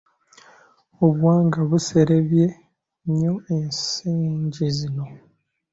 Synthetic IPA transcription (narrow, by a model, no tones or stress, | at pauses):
oβwaːŋɡaβuse̞ɾeβje̞ | ɲo̞ensiːɲɟizino̞